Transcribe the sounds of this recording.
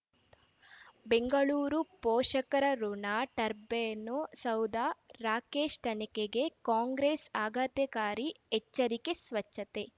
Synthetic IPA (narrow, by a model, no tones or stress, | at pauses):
beŋɡɐɭuːɾupɔːʂɐkɐɾɐɾuɳaːʈɐɾbeːnosɐwd̪aːɾaːkeːʂʈ̪ɐnikeɡe̞kaːŋɡɾeːsaːɡat̪jɐkaːɾi | ɛt͡ʃːɐɾikesʋɐt͡ʃːɐt̪e